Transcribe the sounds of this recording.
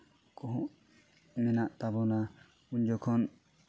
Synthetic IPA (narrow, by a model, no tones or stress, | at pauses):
kɔɦuʔ | mɛnaʔt̪abɔna | und͡ʒɔkʰɔn